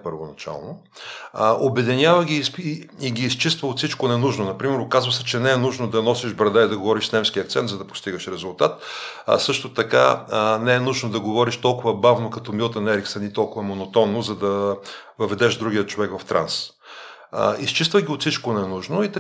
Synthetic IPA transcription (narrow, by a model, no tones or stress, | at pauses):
pəɾvonɐt͡ʃa̰lˠno | ʔobɛd̪ɛnʲavəɡʲiiɡʲiːst͡ʃist̪vəot̪sit͡ʃkonɛnuʒnonɐpɾimɛɾokazvəsɛt͡ʃɛnɛɛnuʒnod̪ɐnɔsiʒbɾɐd̪aid̪ɐɡovɔɾiʃsnɛmskʲiək̚t̪sɛnt̪zɐd̪ɐpo̥st̪iɡəʃɾɛzʊlˠt̪at̪sɤʃt̪ot̪ɐka̰nɛɛnuʒnod̪ɐɡovɔɾiʃt̪ɔlˠkʊvɐbavnokɐt̪ɔmilˠt̪ɐnɛɾiksɐnit̪ɔlˠkʊvɐmonot̪ɔnːozɐd̪ɐ | vɐvɛd̪ɛʃd̪ɾuɡʲijət͡ʃovɛkvɐft̪ɾʔa̰ns | ist͡ʃist̪vəɡʲiot̪sit͡ʃkonɛnuʒnoit̪